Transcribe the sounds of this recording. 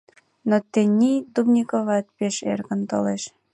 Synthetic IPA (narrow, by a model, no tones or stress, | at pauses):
not̪enʲit̪ubnʲikoβɑt̪̚ʲpeʃḛrɣə̆nt̪o̰leʃ